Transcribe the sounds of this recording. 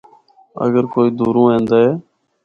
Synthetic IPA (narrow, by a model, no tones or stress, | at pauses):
ə̰ɡəɾkoːiːd̪uːɾũːɦẽːnd̪aːɦeː